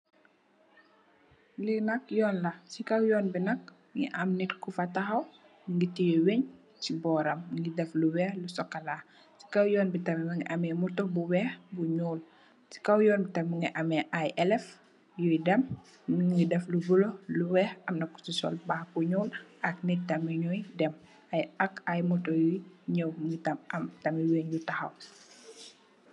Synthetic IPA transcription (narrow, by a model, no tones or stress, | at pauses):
linɐkjɔːnlɐsikɐwjɔːnbinɐk̚ | ŋḭʔɐmnitkufɐtɐxɐw | ŋɡitijɔwɛɲ | sibɔːɾɐmŋɡidɛfluwɛːhlusɔkːɐlaː | si̥kɐwjɔːnbitɐmɛmɐŋɡiʔɐmɛmutubuwɛːhbuɲuːl | si̥kɐwjɔːnbitɐmiŋɡiʔɐmɛʔajɛlɛf | jujdɛm | ŋidɛflubulɔluwɛːhɐmnɐkːu̥sisɔ̰lbaxkuɲɔːlʔɐk̚nɛtɐmiɲujdɛm | ʔɐjɐkajmɔtɔjujɲəwŋɡitɐmʔɐmtɐmiweɲjutɐxɐw